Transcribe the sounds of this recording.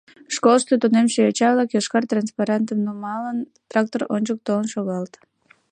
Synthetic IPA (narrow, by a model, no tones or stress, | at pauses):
ʃkolʃt̪øt̪onemʃeøt͡ɕɑβlˠɑkjɑʃkɑrt̪ranspɑɾɑnt̪əmnomɑlən | t̪rɑk̚t̪oronʲt͡ɕək̚t̪onʃoɣɑlt̪